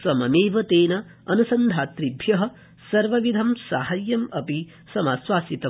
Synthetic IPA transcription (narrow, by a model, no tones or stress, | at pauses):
sɐmɐmeːʋɐt̪eːnɐ | ɐnusɐnd̪ʱaːt̪ɾibʱjɐɦɐ̆ | sɐɾʋɐʋid̪ʱɐmsaːɦɐjːɐmɐpi | sɐmaːswaːsit̪ɐ